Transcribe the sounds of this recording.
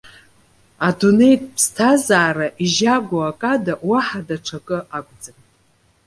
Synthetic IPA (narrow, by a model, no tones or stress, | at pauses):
adune̞jtʼpʰstʰazaːɾaʔiʒaɡʷaakʼadaʔwaħadaʈ͡ʂʰakʼɨakʷʼd͡zʼɨn